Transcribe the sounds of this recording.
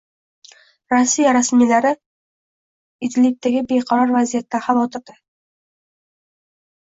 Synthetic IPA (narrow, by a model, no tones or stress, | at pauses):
ɾasːijaɾasmilaɾɪ | ɪt̪lip̚t̪aɡʲɪbeqʰɑɾɒɾvazijat̪ːaχavɒt̪ʰɪɾd̪ɪ